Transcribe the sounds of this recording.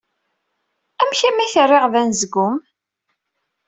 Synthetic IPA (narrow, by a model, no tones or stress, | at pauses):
æmçæmæθərːeʁðænzəɡʊm